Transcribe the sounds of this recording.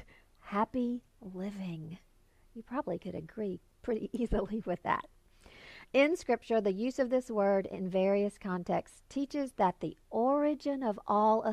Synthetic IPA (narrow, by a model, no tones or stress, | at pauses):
hæpi | lɪvɪ̃ŋ | jɨpʰɹ̥ɑbəblikɨɾɨ̰ɡɹi | pʰɹ̥ɪɾḭʔizl̩ˠiwɨðæ̰t̚ | ɪ̃nskɹɪp̚t͡ʃə˞ðɨjʉzʌvðɪswɜ˞ɾɪ̰̃nvɛɹiɨskʰɑ̃ntʰɛkstʰit͡ʃɨzðət̪̚ðiʔɔɹɨd͡ʒɨ̃nʌvɔlˠə